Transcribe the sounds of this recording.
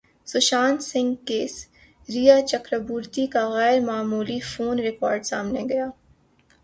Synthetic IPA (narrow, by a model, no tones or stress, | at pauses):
sʊʃaːnsɪ̃ŋɡkeːs | ɾijat͡ʃɐkɾəbuːɾt̪ikaɣɛːɾmaːmuːlifoːnɾɪkɔːɾɖsa̰ːmneɡɐjaː